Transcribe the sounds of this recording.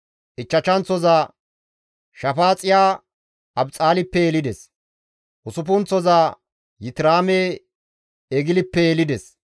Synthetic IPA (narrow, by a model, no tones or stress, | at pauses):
ʔɪt͡ʃːɐt͡ʃːɐnt͡sɔzaː | ʃɐfaːt͡sʼːɪjaː | ɐbt͡sʼaːlɪpːɛjelɪd̪ɛs | ʔʊsʊp̬ʊnt͡sɔzaː | jɪt̪ɪɾaːme | ɛɡɪlɪpːɛjelɪd̪ɛs